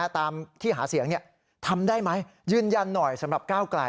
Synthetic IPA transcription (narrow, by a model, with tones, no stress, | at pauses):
t̪aː˧mt̪ʰiː˥˩ɦa̰ː˩˦si˨˩˦əŋni˥˩ə | t̪ʰa˧mdaː˥˩jma˦˥jjɯː˥˩nja˧nːɔ˨˩jsa˨˩˦mɾa˨˩p̚kaː˥˩wkla̰˧